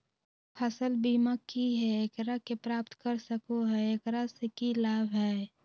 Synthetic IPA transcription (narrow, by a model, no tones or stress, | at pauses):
pʰəsəlbiːmakːiɦɛeːkɾakepɾaːpt̪kəɾsəkoɦɛeːkɾasekilaːbʱɦɛː